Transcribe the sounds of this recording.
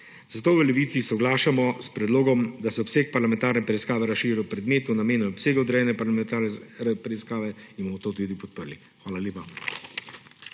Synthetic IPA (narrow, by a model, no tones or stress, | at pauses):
zat̪oːʋəlɛʋiːt̪sisɔɡlaːʃamɔspɾɛd̪loːɡɔmd̪asɛɔpseːk̚paɾlamɛ̃nt̪aːɾnɛpɾɛiskaːʋɛɾasʃiːɾɛwpɾɛd̪meːt̪unameːnuɔpseːɡɐɔd̪ɾɛjɛnɛpaɾlamɛt̪aɾɛpɾɛiskaːʋɛinbomɔt̪oːt̪ud̪ipɔt̪̚pəɾli | xʋaːlalʲjeːpa